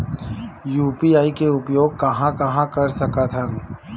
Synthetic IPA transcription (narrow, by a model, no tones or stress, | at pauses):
juːpiaːikeʊpjoːɡ̚kɐɦãkɐɦãkɐɾsɐkat̪ʰə̃ŋ